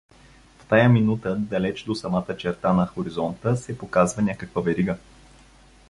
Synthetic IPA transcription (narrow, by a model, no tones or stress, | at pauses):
ft̪ajəminut̪əd̪ɐlɛt͡ʃd̪osɐmat̪ət͡ʃɛɾt̪anɐxoɾizɔnt̪əsɛpokazvɐnʲakəkvəvɛɾiɡə